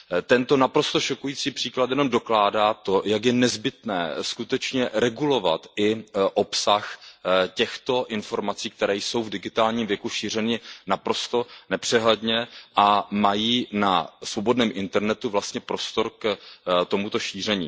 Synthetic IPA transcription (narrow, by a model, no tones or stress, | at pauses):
t̪ɛnt̪o̞napɾo̞st̪o̞ʃokujiːt͡siːpr̥iːklat̪jɛnomdo̞klaːdaːt̪o̞jakjɛnɛzbɪt̪nɛ̰ːskut̪ɛt͡ʃɲɛɾɛɡulo̞va̰t̪ɪʔopsaxcɛxt̪o̞ʔɪnfo̞ɾmat͡siːk̚t̪ɛɾɛːjso̞wvdɪɡɪt̪aːlɲiːmvjɛkuʃiːr̝ɛnɪnapɾo̞st̪o̞nɛpr̝̥ɛɦlɛdɲɛʔamajiːnasvo̞bo̞dnɛːmʔɪnt̪ɛɾnɛt̪uvlast̪ɲɛpɾo̞st̪o̞ɾkt̪o̞mut̪o̞ʃiːr̝ɛɲḭː